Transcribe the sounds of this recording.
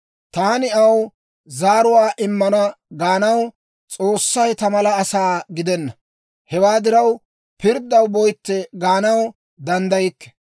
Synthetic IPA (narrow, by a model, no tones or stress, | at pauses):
t̪aːnɪɐw | zaːɾʊwaːʔɪmːɐnɐɡaːnɐw | t͡sʼoːsːɐjt̪ɐmɐlɐːsaːɡɪd̪ɛnːɐ | hɛwaːd̪ɪɾɐw | pɪɾd̪ɐwbɔjt̪ːɛɡaːnɐw | d̪ɐnd̪ɐjɪkːɛ̥